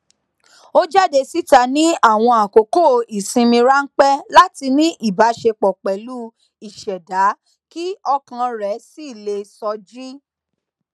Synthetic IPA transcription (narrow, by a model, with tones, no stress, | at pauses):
o˦d͡ʒa˦˨de˧si˦ta˧nĩ˦a˦˨w̃ɔ̃˧a˨ko˨ko˦˨i˨sĩ˧mĩ˧ɾa˦ŋ̩˦k͡pɛ˦la˦ti˧nĩ˦ʔi˦˨ba˨˦ʃe˧k͡pɔ˨k͡pɛ˨lu˦ | i˨ʃɛ˨da˨˦ | ki˦ɔ˧kã˧ɾɛ˨˦si˦˨le˧sɔ˧d͡ʒi˦